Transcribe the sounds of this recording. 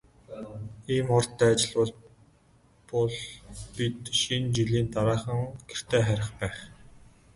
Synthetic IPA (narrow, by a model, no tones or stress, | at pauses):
iːmɔr̥t̪ːæːat͡ɕɪ̆ɮpɔɮ | pɔɮpit̪ʃint͡ɕiɮiːnt̪aɾaːχə̆ŋɡ̥er̥t̪ʰeːχæɾʲɪ̆χpæːχ